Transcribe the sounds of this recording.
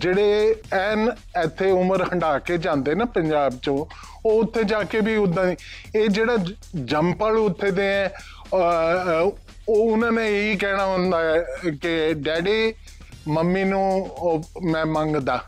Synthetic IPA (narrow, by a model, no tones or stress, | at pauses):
d͡ʒeːɽeːɛːn | ɛt̪ʰːeːʊməɾhəɳɖaːkeːd͡ʒãːnd̪eːnaːpəɲd͡ʒaːbt͡ʃõː | oːʊt̪ʰːeːd͡ʒaːkeːbiːʊd̪ːãːniː | eːd͡ʒeːɽaː | d͡ʒəmpəlʊt̪ʰːeːd̪eːɛ̃ː | oːʊnãːnẽeiːkɛːɽ̃aːɦõnd̪aːɛːkɪɖɛːɖeː | məmːiːnũː | mɛ̃ːməŋɡd̪aː